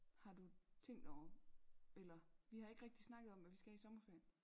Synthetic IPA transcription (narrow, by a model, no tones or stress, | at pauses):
hɑ̈d̥ut͡sʰeŋ̰d̥ɒʊ̰ɐ | elɐʋihɑ̈e̝ɡ̥ʁeɡ̥̚d̥isnɑ̈ɡ̥ðˠɒ̽mʋæʋisɡ̥ææɐisɒ̽mɐfeɐ̰n